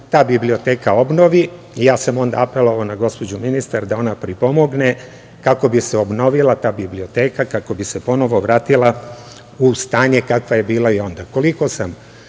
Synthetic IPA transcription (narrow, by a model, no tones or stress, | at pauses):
t̪aːbiblio̞t̪e̞ːkao̞bno̞ʋi | ijaːsamo̞nd̪a̰apelˠo̞ʋaonaɡo̞spo̞d͡ʑuminist̪aɾd̪ao̞napɾipo̞mo̞ɡne | kako̞biseo̞bno̞ʋilˠat̪aːbiblio̞t̪e̞ːkakako̞bise̞po̞no̞ʋo̞ʋɾaːt̪ilˠa | ust̪aːɲe̞kakʋaje̞biːlˠaio̞nd̪ako̞liko̞sam